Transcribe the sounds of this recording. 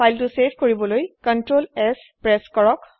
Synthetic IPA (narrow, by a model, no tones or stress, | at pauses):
pʰajltʊsepʰkoɹibɔlojkɔntɹolɛs | pɹɛskɔɹɔk